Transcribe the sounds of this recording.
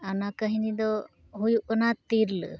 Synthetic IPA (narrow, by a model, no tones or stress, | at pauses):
anakəɦinid̪ɔ | ɦujuʔənat̪iɾl̰